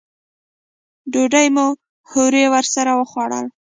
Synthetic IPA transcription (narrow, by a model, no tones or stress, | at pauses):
ɖoɖajmu | hoɾewəɾsaɾawəxwɑɽə̰l